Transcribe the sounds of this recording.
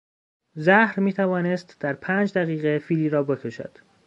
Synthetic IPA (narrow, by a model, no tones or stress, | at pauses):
zæhɾmiːt̪ʰævɒːnest̪d̪̥æɾpʰæːnd͡ʒd̪æɣiːɣefiːliːɾɒːbe̞kʰo̞ʃæ̰d̪̥